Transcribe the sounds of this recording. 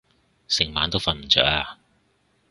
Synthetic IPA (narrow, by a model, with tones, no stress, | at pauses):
sɪ˨˩ŋma̰ː˨˥nt̪o˥wfɐ˨nm̩˨˩t͡sœ̰ː˨˥kaː˧